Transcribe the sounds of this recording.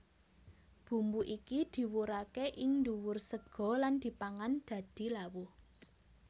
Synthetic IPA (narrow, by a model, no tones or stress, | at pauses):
b̥ṳmbuʔikid̪̥i̤wuɾakeʔɪŋnduwʊrsəɡ̥ɔ̤land̪̥i̤paŋand̪̥ä̤d̪̥i̤lawʊh